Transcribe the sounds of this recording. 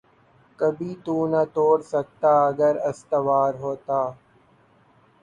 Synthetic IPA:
kɐbʱiːt̪uːnət̪oːɽsɐk̚t̪aːɐɡəɾɐst̪əʋaːɾɦoːt̪aː

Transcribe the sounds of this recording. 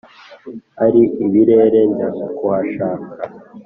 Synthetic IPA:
aɾiiβiɾe̞ːɾe̞ndaukowaʃaːka

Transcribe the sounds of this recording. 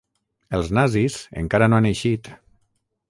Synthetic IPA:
əlˠznazizə̰ŋkaɾanoaneʃit̪

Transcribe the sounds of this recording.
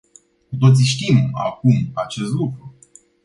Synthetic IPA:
kut̪o̞t̪siʃt̪ima̰kumat͡ʃe̞st̪lukɾu

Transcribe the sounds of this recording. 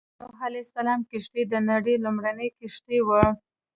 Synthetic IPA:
oɦalesalɑmkɪʂʈ̪ed̪ənaɽelumɽanəjkɪʂʈ̪ewə

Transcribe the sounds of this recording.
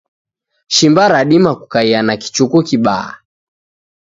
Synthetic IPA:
ʃimbaɾaɗimakukaianaki̥t͡ʃukukiɓaa̰

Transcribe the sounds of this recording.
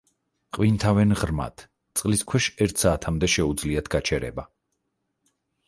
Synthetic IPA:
qʼwint̪ʰavɛnʁɾma̰t̪ʰ | t̪sʼqʼliskʰwɛʃɛɾt̪ʰsaːt̪ʰamd̪ɛʃɛud̪zliat̪ʰɡ̥at͡ʃʰɛɾɛ̰ba

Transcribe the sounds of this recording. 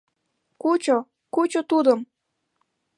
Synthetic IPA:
kut͡ɕo | kut͡ɕot̪ud̪əm

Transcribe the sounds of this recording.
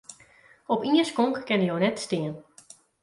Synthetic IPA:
ɔpiəskɔŋkkɛnəjoːnɛtstɪən

